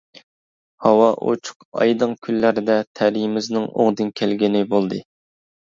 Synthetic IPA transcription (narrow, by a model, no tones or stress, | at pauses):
hɑwɑʔo̰t͡ʃʰʊ̥qɑ̰jd̪ɨŋkʲʰylːæɾɪd̪ɛt̪ʰæɾijmɪznɪŋo̰ŋd̪ɨnkʲʰɛlɡʲinɪbolˠd̪ɨ